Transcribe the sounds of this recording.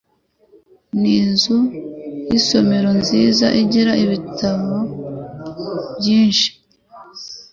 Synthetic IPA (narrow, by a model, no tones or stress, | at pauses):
niːnzujiso̞me̞ɾo̞nziːza̰ʔiɟiɾaʔiβitʰaβo | bɟiːnʃi̥